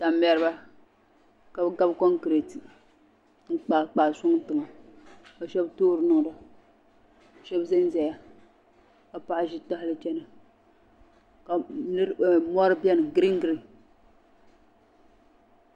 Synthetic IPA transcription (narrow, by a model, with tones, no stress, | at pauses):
ta˨mbɛ˨ɾɨ˦ba˦ | ka˨bɨ˦ɡa˦bkɔ˦ŋkɾe˨ti˨ | ŋ̩˦k͡pa˨k͡pa˨sʊ˦ŋ˦tɨ˨ŋa˨o˨ʃɛ˦btoː˦ɾɨ˨nʊ˨ŋ˨da˨ | o˨ʃɛ˦bzɛ˦n˦zɛ˨ja˨ | ka˨pa˦ʔʒi˦ta˦hlɨ˦t͡ʃɛ˦na˨ | ka˨nɨ˦ɾmɔ˦ɾɨ˦bjɛ˦nɨ˨ɡɾi˦ŋ˦ɡɾi˨